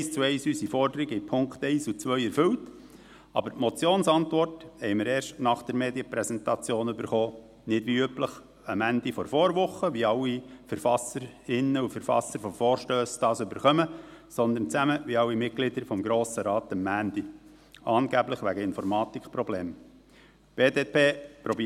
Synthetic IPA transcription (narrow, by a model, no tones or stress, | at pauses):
ɛst͡suɛɪsysifɔɾdəɾiɡəipʰʊŋkt̪ɛɪsut͡sʋœʏɛɾfʏwt | ɑ̰bəɾtmɔt͡sjoːnsɑntʋɔrthɛɪməɾeːɾʃtnɑχd̪̥ɛɾmeːd̪jəpɾɛsɛntɑt͡sjoːnøbəɾχoː | nɪdʋiøpləχ | əmænd̪ifɔɾfɔːɾʋʊχːəʋiɑwːifəɾfɑsəɾɪnːəufəɾfɑ̰sːəɾfɔfɔːɾʃtøːsd̥ɑːsɵbəɾχœməsɔnd̪ənt͡sæməʋiɑwːimɪt̚ɡ̥lɪd̪əɾfɔmɡɾoːsəɾɑːt̪əmːæːnd̥̪i | ɑːnɡ̥æbləχʋæɡəɪnfɔɾmɑːt̪ikχpɾɔbleːm | b̥eːdeːpeːpɾɔbi